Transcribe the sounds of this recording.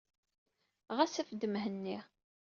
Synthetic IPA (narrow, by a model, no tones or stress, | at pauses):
ʁæsæfəd̪ːəmɦənːi